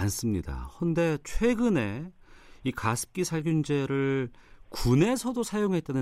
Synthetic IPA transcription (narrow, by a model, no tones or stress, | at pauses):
ans͈ɯmɲida̰hʌnde̞t͡ɕʰwe̞ɡɯne̞ | ikasʰɯ̥p̚k͈isʰaɭɡund͡ʑe̞ɾɯɭkune̞sʰʌdosʰajoŋɦe̞t̚t͈anɯ